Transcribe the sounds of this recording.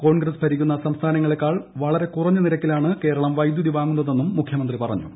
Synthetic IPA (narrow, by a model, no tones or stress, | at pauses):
ko̞ːɳɡrɐspʰɐɾikʲːunːɐsɐmst̪ʰaːnɐŋːɐɭe̞kːaːɭʋɐɭɐɾe̞kurɐɲːɨniɾɐkʲːilaːɳɨke̞ːɾɐɭɐmʋɐjd̪juðiʋaːŋːunːɐðe̞nːumːukʰjɐmɐnd̪ripɐrɐ̰ɲːṵ